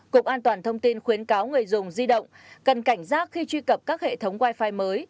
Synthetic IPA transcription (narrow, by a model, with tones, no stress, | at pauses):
kʊ̰˧˩k͡p̚ʔaː˧nt̪waː˨˩nt̪ʰə˧wŋ͡mt̪i˧nxwi˨˦ənkaː˨˦wŋɨ˨˩əjzʊ˨˩ŋ͡mzi˧ɗə̰˧˨wŋ͡m | kə˨˩nka˧˩jŋ̟zaː˦˥k̚xi˧t͡ɕwi˧kə˨˩p̚kaː˦˥k̚hḛ˧˨t̪ʰə˨˦wŋ͡mvaː˧jfaː˧jməː˨˦j